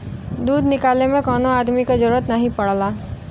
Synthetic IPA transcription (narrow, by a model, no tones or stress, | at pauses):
d̪uːd̪nɪkaːlemẽkɔːnoaːd̪mikazəɾuːɾət̪nɐɦĩpɐɽ̤laː